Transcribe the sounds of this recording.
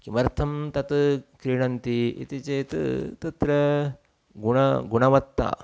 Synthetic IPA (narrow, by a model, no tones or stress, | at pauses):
kimɐɾt̪ʰɐmt̪ɐt̪kɾiːɳɐnt̪iḭt̪it͡ʃeːt̪t̪ɐt̪ɾɐ | ɡuɳɐɡuɳɐʋɐt̪ːa̰ː